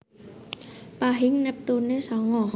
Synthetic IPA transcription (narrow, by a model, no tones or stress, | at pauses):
paɦiŋnɛp̚t̪uːnːesɔŋːɔh